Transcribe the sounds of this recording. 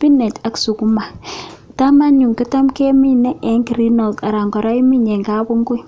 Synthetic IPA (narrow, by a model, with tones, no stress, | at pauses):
pi˦nɛ˨ta˨ksu˨ku˨˦ma˨ | ta˦ma˦ɲu˨ŋkɪ˦ta˦mkɛ˦mi˦nɛ˦ʔɛ˨˦ŋɡi˨ɾi˦nɔ˨lta˨ɾa˨ŋɡɔ˨ɾɔ˦i˦mi˦ɲɛ˨ŋɡa˦bu˦ŋɡʊ˦j